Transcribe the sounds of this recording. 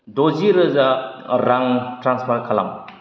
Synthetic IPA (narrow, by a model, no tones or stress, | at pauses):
doziɾɯzaɾaŋtɾanspʰaɾkʰala̰m